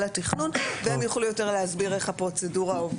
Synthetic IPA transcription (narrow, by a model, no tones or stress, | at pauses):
latiχnunveemjaχlujo̞te̞ʁleazbiʁeχhapʁo̞t͡se̞duʁaov